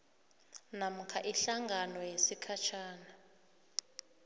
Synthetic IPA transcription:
nam̩kʰaʔiɬaŋɡʱanɔjesikʰat͡ʃʰaːna

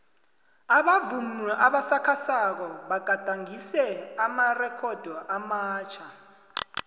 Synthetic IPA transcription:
aɓavumuʔaɓasakʰasak̬ɔɓaɡ̥ʱad̥ʱaŋisɛamarɛkʰɔd̥ʱɔʔamaːt͡ʃʰa

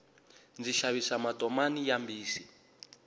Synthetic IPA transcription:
nd͡ziʃaβisamatʼɔmanijambiːsi

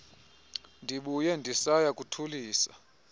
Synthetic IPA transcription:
ndʱiɓujɛndʱisajakʼutʰuliːsa̰

